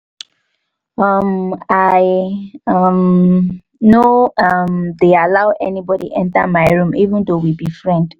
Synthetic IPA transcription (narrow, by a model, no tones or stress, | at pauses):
ʌmaɪʌm | noʌmdealaʊʔɛnibɔdḭɛ̃nta̰maɪɹũmivə̃ndowibifɹɛ̃nd̥